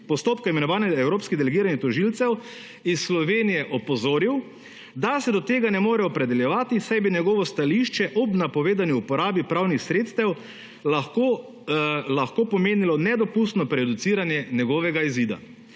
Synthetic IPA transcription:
pɔst̪oːpkaimɛnɔʋaːnɛɛwɾoːpskid̪ɛlɛɡiːɾanit̪ɔʒilt̪sɛw | isslɔʋeːnijɛʔɔpɔzoːɾiw | d̪asɛd̪ɔt̪eːɡanɛmoːɾɛɔpɾɛd̪ɛljɛʋaːt̪isajbinjɛɡɔːʋɔst̪aliʃt͡ʃɛʔɔbnapɔʋeːd̪aniupɔɾaːbipɾawnixsɾeːt̪st̪ɛw | laxko | laxkoːpɔmeːnilɔnɛd̪ɔpust̪nɔpɾɛd̪ut̪siːɾanjɛnjɛɡɔʋɛɡaiziːd̪a̰

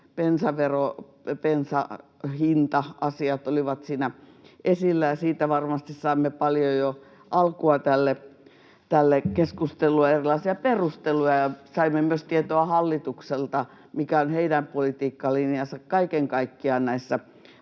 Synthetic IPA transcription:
pensɑʋero | pensɑ̰ | hint̪ɑʔɑsiɑt̪oliʋɑt̪siːnæ | ʔesilːæjɑsiːt̪æʋɑrmɑst̪issɑimːepɑljojo | ʔɑlkuɑt̪ælːe | t̪ælːekeskust̪elujɑerilɑisiɑperust̪elujɑjɑsɑimːemyøst̪iet̪oɑhɑlːit̪ukselt̪ɑ | mikæonheidæmpolit̪iːkːɑlinjɑsɑkkɑikeŋkɑikːiɑnæisːæ

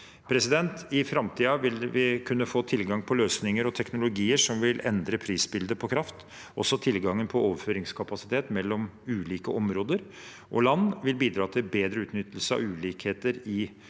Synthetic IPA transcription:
pʰɾɛsɪd̪ɛnt̪ɪfɾɑmt̪ʰiːɑʋɪlʋɪkʰʉnːəfoːt̪ʰɪlɡɑŋpʰɔløːsnɪŋəɾɔt̪ʰɛknʊlʊɡiːəʂɔmʋɪlɛ̰nd̪ɾəpʰɾiːsbɪld̪əpʰɔkʰɾɑft̪ | ʔɔ̰sːɔt̪ʰɪlɡɑŋːənpʰɔoːʋəɾføːɾɪŋskʰɑpɑsɪt̪ʰeːt̪mɛlːɔmʉːliːkəʔɔmɾoːd̪əɾ | ʔɔ̰lɑnːʋɪlbiːd̪ɾɑːt̪ʰɪlbeːd̪ɾəʉːt̪nʏt̪ːlsəɑ̰ʋʉːliːkheːt̪əɾɪ

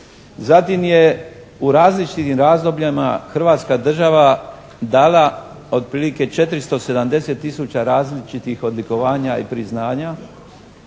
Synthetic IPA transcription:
zat̪imje̞ | uɾaːzlit͡ʃit̪imɾaːzd̪o̞bʎama̰xr̩ʋaːt̪skad̪r̩ʒaʋa | d̪aːla | o̞d̪̚pɾiːlike̞t͡ʃe̞t̪ɾist̪o̞se̞d̪amd̪e̞set̪ːisut͡ɕaɾaːzlit͡ʃit̪ixo̞d̪liko̞ʋaːɲaḭpɾiznaːɲa

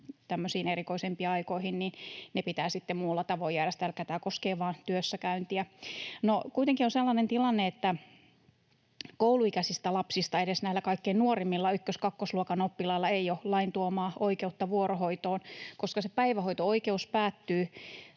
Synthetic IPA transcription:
t̪æmːøsiːnerikoisempiːɑikoihinninnepit̪æːsit̪ːemmuːlːɑt̪ɑʋojærest̪ælkæt̪æːkoskeːʋɑːnt̪yøsːækæynt̪iænokuijt̪eŋkionselːɑnent̪ilɑnːeet̪ːæ | kouluikæsist̪ælɑpsist̪ɑedesnæilːækɑikːeinnuorimːilːɑykːøskɑkːosluokɑnopːilɑilːɑeiolɑint̪uomɑːʔoikeut̪ːɑʋuorohoit̪oːnkoskɑsepæiʋæhoit̪ooikeuspæːt̪ːyː

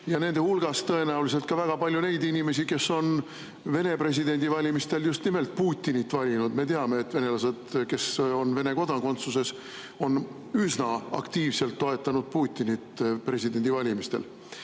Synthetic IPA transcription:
jɑne̞nd̪e̞hulɡ̥ɑst̪ɤ̞e̞næulis̬e̞lt̪̚kɑvæɡ̥ɑpɑlʲjune̞jd̪inime̞s̬ike̞sːo̞n | ve̞ne̞pre̞s̬ʲid̪e̞nʲd̪ivɑlʲimist̪e̞ljust̪nime̞lt̪̚puːt̪ʲːˑinit̪ːˑvɑlʲinud̪̥me̞t̪e̞ɑme̞ːt̪ːve̞ne̞lɑsed̪̥ke̞so̞nve̞ne̞ko̞d̪ɑko̞nt̪suse̞s | o̞n | ysnɑɑ̰kt̪iːvse̞lt̪ːo̞e̞t̪ːˑɑnud̪̥̚puːt̪ʲːˑinit̪ːpre̞sid̪̥e̞nʲd̪ivɑlʲimist̪e̞̰l

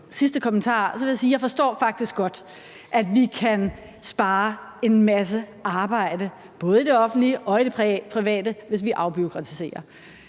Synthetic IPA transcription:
sisd̥əkʰɒ̽mənt͡sʰɑ̰̈ːsɒ̽ʋe̝jasiːjɑ̈ɪfɒ̽sd̥ɒ̰ːfɑ̈ɡ̥̚d̥isɡ̥ːɒ̽d̥ | ʔæd̥ʋikʰæn | sb̥ɑ̈ːe̝nmæs̬əʔɑ̈ːb̥ɑ̈ɪ̰də | b̥ɔ̽ːð̞̩ˠid̥e̝ɒ̽fn̩d̥liʔɒ̽id̥e̝pʰʁiʋɛ̰ːdəʋe̝s̬ʋiʔɑ̈ʊb̥io̝kʰʁɑ̈t͡sʰi̥se̝̰ːɐ

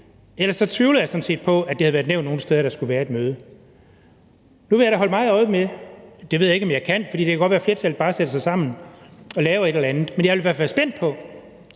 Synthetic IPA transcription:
elɐsɒ̽t͡sʰʋiʊlð̩ˠjɑ̈ɪsɒ̽n̩se̝̰ːd̥pʰɒ̽æd̥ehæðˠʋæɐ̥neʊnːo̝ːn̩sd̥eðˠɐɾ̥ɑ̈sɡ̥uʋæːɐed̥̚møːðˠə | nuʋe̝jaɪɾ̥æɦɒ̽ləmɑ̈ːð̩ˠɒ̽ɪmed̥e̝ʋe̝ðˠje̝ɡ̥ɒ̽mjɑ̈ɪkʰæn̰fɒd̥ḭde̝kʰæɡ̥ɒ̥ʋæːɐfleɐt͡sʰæl̚b̥ɑ̈ːsed̥əsɑ̈ɪsɑ̈m̰n̩ɒ̽lɛːʊe̝ɾelɐænð̩ˠmenjaɪʋeliʋæɐ̰fæːɐsb̥en̰d̥̚pʰɒ̽

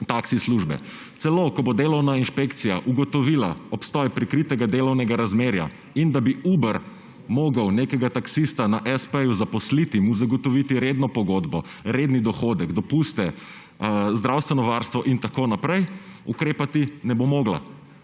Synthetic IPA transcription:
t̪aksisluʒbɛ̰ | t̪sɛlokɔbod̪elɔwnainʃpekt̪sija̰ʔuɡɔt̪ɔʋiːla̰ɔpst̪ɔjpɾikɾit̪ɛɡad̪eːlɔwnɛɡaɾazmeːɾja̰ | ind̪abiubəɾ | moːɡəwnekɛɡat̪aksist̪anaʔɛspɛjuzapɔslit̪imuzaɡɔt̪ɔʋit̪iɾeːd̪nɔpɔɡoːd̪bɔ | ɾed̪nid̪ɔxod̪ɛɡd̪ɔpust̪ɛ | zd̪ɾawst̪ʋɛnɔʋaɾst̪ʋɔʔint̪akoːnapɾɛjukɾeːpat̪inɛbomɔːɡla̰

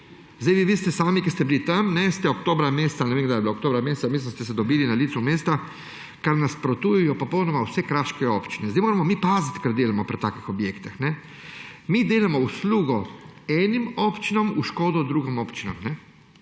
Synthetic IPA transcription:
zd̪ajʋiʋiːst̪ɛsaːmikɛst̪ɛbilit̪amnɛst̪ɛokt̪oːbɾameːst̪anɛʋeːmɡd̪ajɛbiloːkt̪oːbɾameːsameːsast̪ɛsɛd̪ɔbiːlinaliːt̪sumeːst̪a | kaɾnaspɾɔt̪ujajɔpɔpownɔmawsɛkɾat͡ʃkɛopt͡ʃinɛzd̪aɪjmoːɾamɔmiːpaːzat̪kaɾd̪eːlamɔpɾit̪aːkixɔbjeːkt̪ixnɛ | mid̪eːlamɔusluːɡɔɛːnimoːpt͡ʃinɔmuʃkoːd̪ɔd̪ɾuːɡimoːpt͡ʃinɔ̰mnɛ

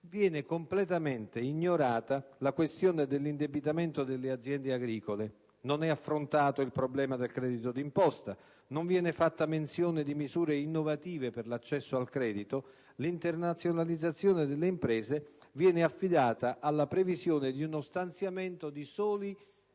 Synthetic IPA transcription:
vjɛːnɪkomplɛt̪ament̪eiɲːoɾaːt̪alakwest̪joːned̪elːind̪ebit̪ament̪od̪elːead̪zːjɛnd̪eaɡɾiːkole | nonɛafːɾont̪aːt̪oilpɾoblɛːmad̪elkɾɛːd̪it̪od̪impɔst̪a | noɱvjɛːnefat̪ːamensjoːnɪd̪imizuːɾeinːovat̪iːveperlat͡ʃːɛsːoalkɾɛːd̪it̪o | lint̪ernat̪sːjonalid̪zːat̪sːjoːned̪elːeimpɾɛːzevjɛːneafːid̪aːt̪aʔalːapɾevizjoːned̪iunost̪ant̪sjament̪od̪isɔːli

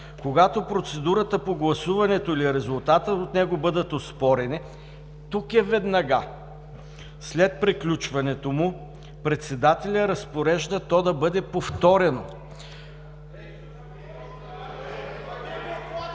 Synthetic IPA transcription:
koɡat̪opɾot̪sɛd̪uɾət̪əpoɡlˠɐsuvɐnɛt̪oiliɾɛzʊlˠt̪at̪əot̪nɛɡobɤd̪ət̪ospɔɾɛnɛ | t̪ukɛvɛd̪nɐɡa | slɛt̪̚pɾiklʲut͡ʃvɐnɛt̪omʊ | pɾɛt̪sɛd̪at̪ɛlʲəɾɐspoɾɛʒd̪ət̪ɔd̪ɐbɤd̪ɛpoft̪ɔɾɛno

